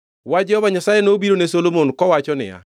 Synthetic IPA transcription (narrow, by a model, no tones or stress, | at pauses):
wad͡ʒɛhɔβaɲasajenoːbiɾonesolomonkɔwat͡ʃɔnɪ̰ja̰